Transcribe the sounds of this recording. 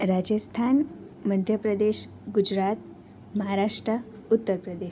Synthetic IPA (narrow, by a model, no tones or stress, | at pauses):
ɾad͡ʑəst̪ʰan | məd̪ʱjəpɾəd̪eɕ | ɡud͡ʑɾat̪̚ | məɦaɾaʂʈɾə | ut̪ːəɾpɾəd̪eʃ